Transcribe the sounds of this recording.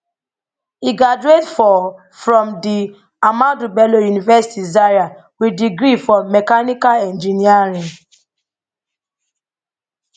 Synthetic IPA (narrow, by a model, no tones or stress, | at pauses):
iɡad͡ʒuetfɔ | fɹɔ̃mdi | amãtubɛlojunivɛsi̥tizaɹa | widiɡɾifɔmɛkanikalɛ̃nd͡ʒiniaɹĩŋ